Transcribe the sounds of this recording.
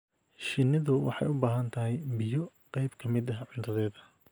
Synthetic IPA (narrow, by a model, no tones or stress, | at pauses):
ʃɪnɪðʊwɑ̰ħɑ̰jʊbaːɦɐnt̪ʰɐɦɛjbɪjɔ | qɑjbkʰɐmɪðɐɦɐʕʊnt̪ʰɐðɛːðɐ